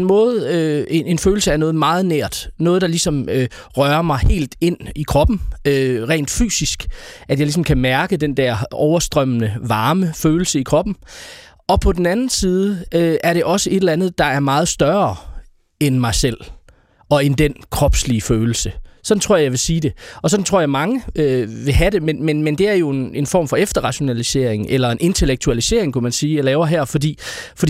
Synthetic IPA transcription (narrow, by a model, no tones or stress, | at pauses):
nmɔ̽ːð̩ˠøe̝ne̝nføːl̩səæɐnɔ̽ːð̞̩ˠmɑ̈ːð̞̩ˠneɐ̰d̥nɔ̽ːð̞̩ˠd̥ɑ̈lisɒ̽mø | ʁɶɐmɑ̈ɪhe̝̰ːld̥e̝n̰ikʰʁɒ̽b̥n̩øʁɛ̰ːnd̥fy̰ːsisɡ̥ʔæd̥jɑ̈ɪlis̬ɒ̽mkʰæmæɐɡ̥əd̥end̥æɐ̰ɒʊɐsd̥ʁœm̰ənəʋɑ̈ːməføːl̩səikʰʁɒ̽b̥n̩ | ɒ̽pʰɒ̽d̥en̩ænn̩siːð̞ˠəøʔæɐɾe̝ʔɒ̽səe̝d̥lænð̩ˠd̥ɑ̈æɐmɑ̈ːð̞̩ˠsd̥ɶɐ | enmɑ̈ɪsel̰ | ɒ̽end̥enkʰʁɒ̽b̥sliføːl̩səsɒ̽dnt͡sʰʁo̝ɐ̰jɑ̈ɪʋesiːd̥e̝ɒ̽sɒ̽dn̩t͡sʰo̝ɐ̰jaɪmɑ̈ŋəøʋe̝ɦæɾe̝menmenmend̥e̝æɐjo̝e̝ne̝nfɒ̰ːmfɒ̽efd̥ɐʁɑ̈ɕo̝nælise̝̰ɐ̰eŋʔelɐe̝nʔe̝nt͡sʰe̝leɡ̥̚t͡sʰuælise̝ɐ̰e̝ŋkʰæmænsiːlɛːʊɐɦæɐfɒ̽dḭːfɒ̽d̥i